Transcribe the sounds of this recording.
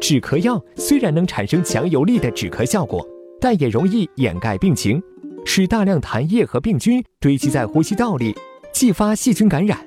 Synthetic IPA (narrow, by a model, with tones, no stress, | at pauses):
ʈ͡ʂɻ̩˨˩kʰɤ˧˥jɑ˥˩ʊswe˥ɪɻa˧˥nɤ˧˥ŋʈ͡ʂʰa̰˨˩nʂɤ˥ŋt͡ɕʰjɑ˧˥ŋjo˧˥ʊli˥˩d̪ə˩ʈ͡ʂɻ̩˨˩kʰɤ˧˥ɕjɑ˥˩ʊkwɔ̰˨˩˦t̪a˥˩njɛ˨˩ɻʊ˧˥ŋi˥˩jɛ̰˨˩nka˥˧ɪpi˥˩ŋt͡ɕʰi˧˥ŋ | ʂɻ̩˥˧t̪a˥˧ljɑ˥˩ŋt̪ʰa˧˥njɛ˥˩xɤ˧˥pi˥˩ŋt͡ɕy˥nt̪we˥ɪt͡ɕʰi˧˥t͡sa˥˩ɪxu˥ɕi˥t̪ɑ˥˩ʊli˥˩t͡ɕi˥˩fa˥ɕi˥˩t͡ɕy˥nka˧˥nɻa̰˨˩˦n